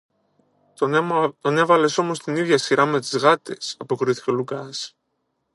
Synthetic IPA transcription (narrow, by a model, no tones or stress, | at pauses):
t̪o̞ne̞vɐle̞so̞mo̞st̪iniðʝɐsiɾɐme̞t̪izɣɐt̪e̞sɐpo̞kɾiθi̥celukɐs